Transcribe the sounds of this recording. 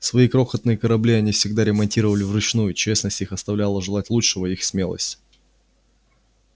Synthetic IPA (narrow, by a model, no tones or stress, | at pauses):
svɐikɾo̞xət̪nɨjəkəɾɐblʲiɐnʲifsʲɪɡd̪aɾʲɪmɐnʲtʲiɾəvəlʲɪvrʊt͡ɕnujʊt͡ɕesnəsʲtʲixɐst̪ɐvlʲalˠəʐɨlˠatʲlˠutʂɨvəixsmʲelˠə̰sʲtʲ